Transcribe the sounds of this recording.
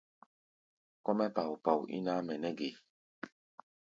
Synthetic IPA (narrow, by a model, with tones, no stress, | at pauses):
kɔ˦mɛ˦pa˨wu˨pa˨wṵ˨ʔḭ˦na˦mɛ˨nɛ˦ɡe˨